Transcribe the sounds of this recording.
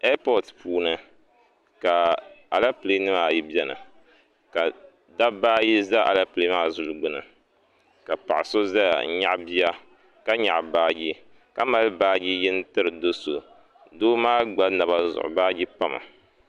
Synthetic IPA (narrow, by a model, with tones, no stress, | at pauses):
a˦pɔ˦˨tpuː˦nɨ˨ | ka˨a˨la˦pɨ˨le˦nɨ˦maː˨ji˦bɛ˦nɨ̰˨ | ka˨ | da˦baː˦ji˦za˦ʔa̰˨la˦ple˦maː˦zu˨lɡ͡bɨ˦nɨ̰˨ | ka˨pa̰˨ʔɪ˨so˦za˦ja̰˨˦ɲa̰˦ʔbi˦a˦ | ka˦ɲa̰˨ʔbaː˦ɡi˦ | ka˦ma˦lbaː˦ɡi˦jɛ˦n˦tɨ˦ɾɨ˨do˦so̰˨ | doː˦maː˦ɡ͡ba˦na˨βa˦zʊ̰˨ʔʊ̰˨baː˦ɡi˦pa˦ma̰˨